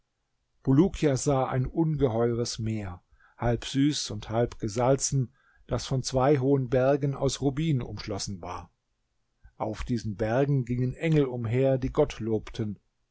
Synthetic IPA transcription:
b̥uluːkʰjazaːʔa̰ɪnʔʊnɡəɦɔʏʁəsmeːɐ | halpz̥yːsʊnthalpɡ̥əzalt͡sn̩ | d̥asfɔnt͡sv̥aɪɦoːənbɛɐɡn̩a̰ʊsʁubiːnənʊ̰mʃlɔsn̩va̰ːɐ | ʔaʊfd̥iːzn̩bɛɐɡŋ̩ɡɪŋənʔɛŋl̩ʊmɦeːɐdiːɡɔtʰloːptʰən

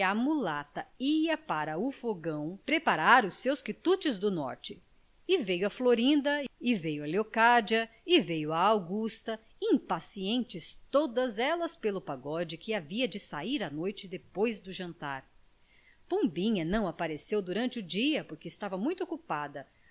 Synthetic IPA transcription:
ɐmulat̪ɐiɐpaɾɐʊfoɡɐ̃w̃pɾepaɾaɾʊsewskit̪ut͡ʃɪzd̪ʊnɔ̰ɾt͡ʃɪ | ɪvejʊɐfloɾĩnd̪ɐɪvejʊɐleokad͡ʒiɐ | ɪvejʊɐawɡust̪ɐ | ĩpasiẽnt͡ʃɪst̪od̪ɐzɛlɐspelʊpaɡɔd͡ʒɪkɪaviɐd͡ʒɪsaiɾɐnojt͡ʃɪd̪epojzd̪ʊʒɐ̃nt̪a̰ɾ | põbĩɲɐnɐ̃w̃apaɾesewd̪uɾɐ̃nt͡ʃɪʊd͡ʒiɐpoɾkɪɪst̪avɐmũj̃t̪ʊokupad̪ɐ

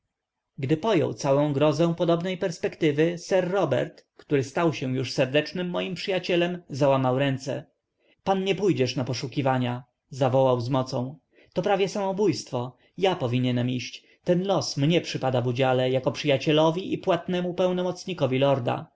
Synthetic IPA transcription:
ɡd̪ɘpɔjɔ̰wt̪sawɔ̃w̃ɡɾɔzɛ̃w̃pɔd̪ɔbnɛjpɛɾspɛkt̪ɘvɘsɛɾːɔbɛ̰ɾt̪kt̪uɾɘst̪awɕɛjuʂsɛɾd̪ɛt͡ʂnɘmːɔjimpʂɘjat͡ɕɛlɛmzawamawɾɛnt̪sɛ̰ | panɲɛpujd͡ʑɛʂnapɔʂukʲivaɲa | zavɔwawzmɔt̪sɔ̃w̃ | t̪ɔpɾavʲjɛsamɔbujst̪fɔ | japɔvʲiɲɛnɛmiɕt͡ɕ | t̪ɛnlɔsmɲɛpʂɘpad̪avud͡ʑalɛjakɔpʂɘjat͡ɕɛlɔvʲiʔipwat̪nɛmupɛwnɔmɔt̪sɲikɔvʲilɔɾd̪a̰

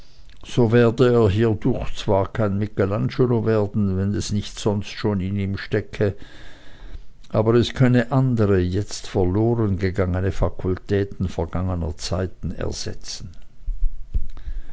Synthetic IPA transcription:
z̥oːveːɐdəeːɐɦiːɐdʊχt͡sv̥aːɐkʰaɪnmɪkelanʃoloveːɐdn̩vɛnɛsnɪçtz̥ɔnstʃoːnɪniːmʃtɛkʰə | ʔaːbɐʁɛskʰœnəʔandəʁəjɛt͡stfɛɐloːʁənɡəɡaŋənəfakʰʊltʰɛːtn̩fɛɐɡ̥aŋənɐ̰t͡saɪtn̩ɛ̰ɐz̥ɛ̰t͡sn̩

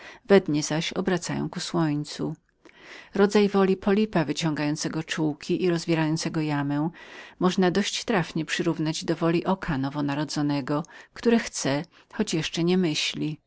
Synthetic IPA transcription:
vɛd̪ɲɛzaɕɔ̰bɾat̪sa̰jɔ̰w̃kuswɔɲt̪su | ɾɔd̪zajvɔlʲipɔlʲipavɘt͡ɕɔ̃ŋɡajɔnt̪sɛɡɔt͡ʂuwkʲʰiʔiɾɔzvʲɛɾajɔnt̪sɛɡɔjamɛ̃w̃mɔʐnad̪ɔɕt͡ɕt̪ɾafɲɛpʂɘɾuvnad͡ʑd̪ɔvɔlʲiʔɔkʰanɔvɔnaɾɔd̪zɔnɛɡɔkt̪uɾɛxt̪sɛ | xɔt͡ɕjɛʂt͡ʂɛɲɛmɘɕlʲi

